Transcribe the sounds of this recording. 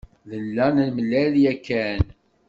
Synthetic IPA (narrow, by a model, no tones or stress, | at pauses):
ðəlːænlməlːæljækːæn